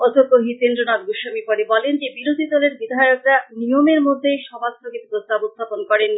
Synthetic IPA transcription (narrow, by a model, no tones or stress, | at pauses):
ɔd̪ʱokːoɦit̪end̪ɾonat̪̚buʃamipoɾebɔlend͡ʑebiɾod̪ʱid̪ɔleɾbid̪ʱajokɾanijomeɾmod̪ʱːejʃɔbʱak̚t̪ʰoket̪pɾost̪ʰabost̪ʰaponkɔɾen